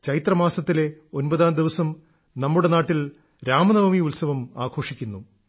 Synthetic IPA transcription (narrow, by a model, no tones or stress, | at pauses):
t͡ɕɐɾit̪rɐmaːsɐt̪ːile̞o̞nbɐðaːnd̪iʋɐsɐm | nɐmːuɽe̞naːʈːil | ɾaːmɐnɐʋɐmiulsɐʋɐmaːkʰo̞ːʂikʲːunːu